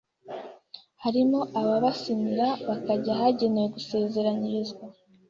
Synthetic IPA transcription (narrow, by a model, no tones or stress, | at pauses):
haɾimo̞ʔaβaβasimiɾaβakaɟaɦaɟe̞neweɡuse̞ːze̞ɾaɲiɾizɡwa